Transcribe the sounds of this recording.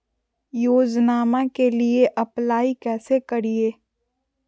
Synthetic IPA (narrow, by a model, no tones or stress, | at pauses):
joːd͡ʒnaːmakelieʔɐplaːikɛːsekɐɾieː